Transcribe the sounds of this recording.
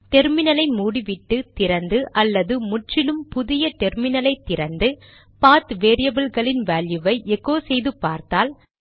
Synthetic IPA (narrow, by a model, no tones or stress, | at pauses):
ʈ̪ɛɾmɪnɐlɐɪmuːɽiʋɪʈːɯt̪ɪɾɐnd̪ɯʔɐlːɐðɯmʊʈrɪlɯmpʊðɪjɐʈ̪ɛɾmɪnɐlɐɪt̪ːɪɾɐnd̪ɯ | paːt̪ʋeːɾɪjɐbɪlɣɐɭɪnʋaːljɯʋɐɪʔɛɣoːsɛjðɯpːaːɾt̪aːl